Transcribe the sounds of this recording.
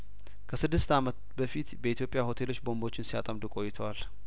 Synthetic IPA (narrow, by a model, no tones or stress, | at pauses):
kʰəsɨd̪ːɨst̪amət̪bəfit̪bəit̪ʰjo̞pʼɪjaho̞t̪ʰe̞lo̞t͡ʃːbo̞mbo̞t͡ʃːɪnsia̰t̪ʼəmd̪ukʼo̞jːɪt̪ʰəwal